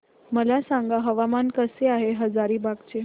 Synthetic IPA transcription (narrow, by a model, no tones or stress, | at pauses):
məlasãŋɡaɦəʋamankəseaɦeɦəd͡zaɾiːbaɡt͡ɕe